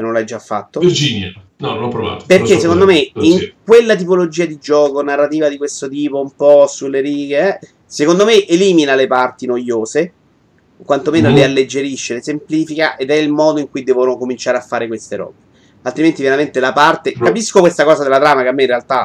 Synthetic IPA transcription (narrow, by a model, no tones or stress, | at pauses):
nõnlajd͡ʒːafːa̰t̪ːovird͡ʒinja | nɔnoɔpːɾova̰ːt̪o̥perkːesːekond̪omeiŋkwelːat̪̬ipolod͡ʒiːad̪id͡ʒɔːkonarːat̪iːvad̪ikwest̪ot̪iːpoumpɔsulːeɾiːɡeɛ | sekond̪omeʔeliːminalepart̪inojoːse | kwant̪omeːnollealːed͡ʒːeɾiʃːelesempliːfikaʔed̪ɛilmɔːd̪oiŋkujd̪ɛːvonokomint͡ʃaːɾeafːaːɾekwest̪eɾɔ̰ːbe | alt̪ɾiment̪ivjeɾament̪ilapart̪ekapiskokwest̪akɔːzad̪elat̪ɾaːmakeamːeinrealt̪a